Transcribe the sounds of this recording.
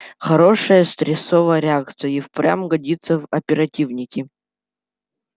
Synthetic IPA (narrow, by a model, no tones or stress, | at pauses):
χɐɾo̞ʂəjəst̪ɾʲɪsovəjəɾʲɪak̚t̪sɨjəifpɾʲa̰mɡɐdʲit̪sːəvɐpʲɪɾɐtʲivnʲɪkʲɪ